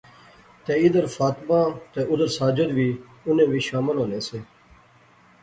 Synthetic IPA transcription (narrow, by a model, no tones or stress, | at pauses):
t̪eːɪd̪əɾfaːt̪mãːt̪eːʔʊd̪əɾsaːd͡ʒəd̪ʋiː | ʊnẽːʋiːʃaːməlɦõːnẽːseː